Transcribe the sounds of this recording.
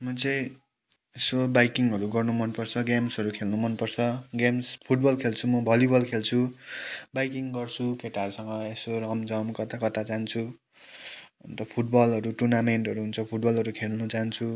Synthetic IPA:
mʌt͡sʌj̃ | esobajkiŋɦʌɾuɡʌrnumʌnpʌrt͡sʰʌɡamsʌɾukʰelnumʌnpʌrt͡sʰʌɡamspʰuʈ̚bʌlkʰelt͡sʰumʌbʱʌljubʌlkʰelt͡sʰu | bajkiŋɡʌrt͡sʰukeʈaʌɾusʌŋɡʌesoɾʌkʌmd͡zʌmkʌt̪akʌt̪at͡saɦnt͡sʰu | ʌnt̪ʌpʰuʈ̚bʌlʌɾuʈurnameɳʈɦʌɾuɦunt͡sʰʌpʰuʈ̚bʌlʌɾukʰelnʌt͡saɦʌnt͡sʰu

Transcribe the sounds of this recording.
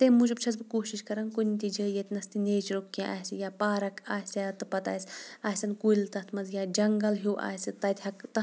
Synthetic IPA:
t̪emud͡ʒɐb̚t͡ʃʰɐzbɨkoːʃiʃkɐɾɐnkunʲt̪ʲid͡ʒəːjɐt̪ʲnɐst̪ineːt͡ʃɾokːãʔaːsijaːpaːɾɐkʰaːsjaːt̪ɨpɐt̪a̰ːsʲaːsʲɐnkuilʲt̪ɐt̪ʰmɐzjaːd͡ʒɐŋɡɐlɦuːʔa̰ːsʲit̪ɐt̪ʲhɐkt̪ɐ

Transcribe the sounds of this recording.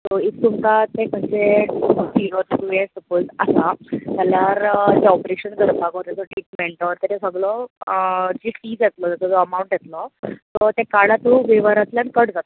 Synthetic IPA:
t̪ɔit̪t̪umkat̪ẽkənt͡ɕed͡ziɾoɾkuʋesʈ̪əpəlsasat̪jalaɾd͡ʑeɔpɾeɕənkəɾpaɡɔɾt̪ad͡zɔʈɾiːʈmẽɳʈɔɾt̪eɾesəɡɭɔ | d͡ʑifiːd͡zjet̪lɔd͡zɔt̪ɔd͡zɔəmauɳʈjet̪lɔt̪ɔt̪ekaɽat̪ũʋeʋəɾat̪ljankəɽd͡zat̪o

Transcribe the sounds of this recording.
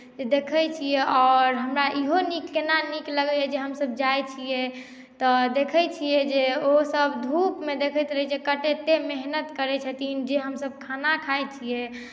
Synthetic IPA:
d͡ʒed̪ekʰəjt͡ʃʰijɛɔːɾɦəmɾaʔiɦonikːenanikləɡəɛd͡ʒeɦəmsəb̚d͡ʒajt͡ʃʰije | t̪ɔd̪ekʰət͡ʃʰijed͡ʒeosəbd̪ʱupmed̪ekʰət̪ɾəɦɛd͡ʒekəʈet̪emeɦnət̪kəɾɛt͡ʃʰət̪ind͡ʒeɦəmsəb̚kʰanakʰajt͡ʃʰije

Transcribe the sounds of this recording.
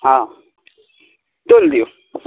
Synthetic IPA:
ɦã | t̪old̪io

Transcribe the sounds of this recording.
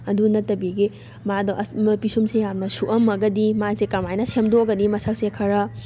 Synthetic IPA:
ɐdunɐtːɐbiɡi | madɔʔpisumsejamnɐsuʔɐmɐɡɐdimazekɐɾmajnɐsemdoɡɐdimɐsak̚sekʰɐɾɐ

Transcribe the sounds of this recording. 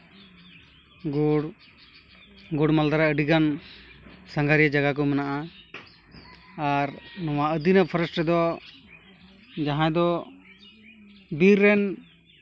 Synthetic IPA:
ɡɽ | ɡuɽmald̪aɾaəɖiɡan | saŋɡʱaɾijad͡ʒaɡak̬ɔmənaʔa | aɾnɔwaʔəd̪inapʰəɾsʈɾɛd̪ɔ | d͡ʒaɦãd̪ɔ | biɾːɛn

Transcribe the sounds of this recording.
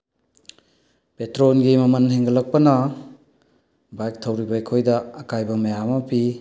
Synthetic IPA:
petɾonɡimɐmɐnɦeŋɡɐlɐk̚pɐnɐ | bajk̚tʰɐwɾibɐekʰojdɐːkajbɐmɐjamɐpi

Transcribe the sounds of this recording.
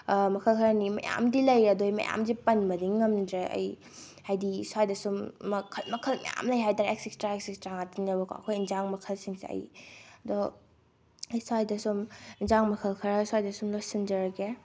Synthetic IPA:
mɐkʰɐlkʰɐɾɐnimɐ̰ja̰mdilɐjɐdojmɐ̰jʔa̰mzipɐnbɐdiŋːɐmdɾeʔɐ̰j | hajdisuajdɐsumːɐkʰɐlmɐkʰɐlmɐ̰ja̰mlɐjɦajdaɾeksikstɾaek̚sikstɾaŋatʰɐniɐbɐkʰɐ̰kʰojinzaŋmɐkʰɐlsiŋsḛɐ̰jɐdo | ɐjswajdɐsuminzaŋmɐkʰɐlkʰɐɾaswajdɐsumlosind͡ʒɐɾɡe

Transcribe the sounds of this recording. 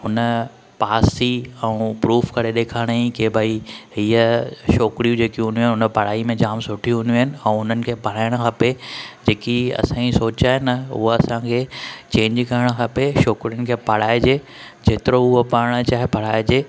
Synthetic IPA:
ʊnə | paːsiɛ̃pɾuːfkɐɾeɗeːkʰaːɽ̃ĩkebʱaːiɦiːəʃoːkɾijũd͡ʑeːkiɦʊ̃niũɦɪnɪʊnə̆pɐɽ̤aːimẽd͡ʑaːmsʊʈʰiɦʊ̃niũɦɪnɪ̆ɛ̃ːʊn̤ənɪ̆kʰeːpɐɽ̤aːɪɽ̃əxʰaped͡ʑeːkiɐ̰sãĩsoːt͡ɕaːɦɪnʊ̰ɦoɐsãkʰeːt͡ɕẽːɲd͡ʑkɐɾɽ̃ə̆kʰapeʃoːkɾijʊnɪ̆kʰeːpɐɽ̤aːɪd͡ʑeː | d͡ʑeːt̪ɪɾoʊɦopɐɾɽ̃ət͡ɕaːɦepɐɽ̤aːɪd͡ʑeː

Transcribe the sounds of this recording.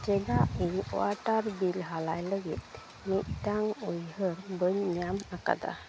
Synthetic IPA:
d͡ʒɛɡaʔiɔ̰aʈaɾbilɦalajləɡit̪̚ | mit̪̚ʈaŋujhəɾbəɲɲamaka̰d̪a̰

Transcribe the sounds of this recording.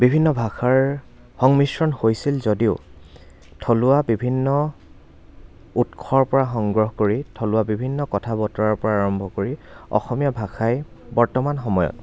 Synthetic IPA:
bibʱinːɔbʱaxaɹ | hɔŋmisɹɔnhojsilzodiʊ | tʰolʊabibʱinːɔ | utkʰɔɹpɔɹaxɔŋɡɹɔɦkoɹitʰolʊwabibʱinːɔkɔtʰabɔtɔɹaɹpɔɹaːɹɔmbʱɔkoɹiɔ̰xɔmijabʱaxʰaj | bɔɹtɔmanxɔmɔjɔ̰t

